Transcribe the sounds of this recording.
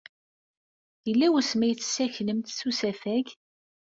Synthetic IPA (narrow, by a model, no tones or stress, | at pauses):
jəlːæwæsmæjt͡sːsːæçləmt̪susæfæʝ